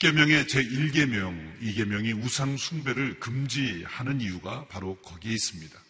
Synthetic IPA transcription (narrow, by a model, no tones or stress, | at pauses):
k͈e̞mjʌŋe̞t͡ɕe̞iɭɡe̞mjʌŋiɡe̞mjʌŋiusʰaŋsʰuŋbe̞ɾɯɭkɯmd͡ʑihanɯniuɡapaɾokʌɡieis͈ɯmɲid̥a